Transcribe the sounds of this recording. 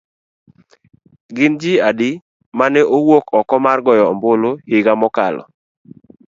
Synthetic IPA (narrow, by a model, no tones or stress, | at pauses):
ɡɪnd͡ʒɪadɪ | manɛʔowokɔkɔmarɡɔjɔmbolohɪɡamɔkalɔ̰